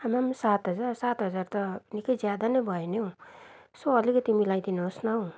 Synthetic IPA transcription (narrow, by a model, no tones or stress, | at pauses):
hamamsat̪ɦʌd͡zarsat̪ɦʌd͡zart̪ʌnikʌjd͡zjad̪anʌjbʱʌenew̃ | soʌlikʌt̪imilajd̪inoosnʌw̃